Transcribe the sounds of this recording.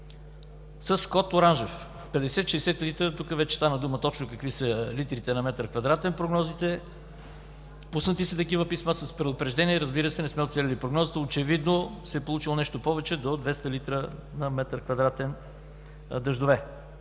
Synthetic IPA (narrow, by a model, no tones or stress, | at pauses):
səskɔt̪oɾanʒɛf | pɛd̪ɛsɛt̪ʃɛsɛt̪lit̪ɾət̪ukəvɛt͡ʃɛst̪anəd̪umət̪ɔt͡ʃnokəkvisəlit̪ɾit̪ɛnɐmɛt̪ɾkvɐd̪ɾat̪ɛnpɾoɡnɔzit̪ɛ | pusnət̪isɛt̪ɐkivəpismasəspɾɛd̪ʊpɾɛʒd̪ɛniɛɾəzbiɾəsɛnɛsmɛot̪sɛlʲɛlipɾoɡnɔzət̪əot͡ʃɛvid̪nosɛːpolˠut͡ʃilˠonɛʃt̪opɔvɛt͡ʃɛd̪od̪vɛst̪əlit̪ɾənɐmɛt̪ɾkvɐd̪ɾat̪ɛn | d̪əʒd̪ovɛ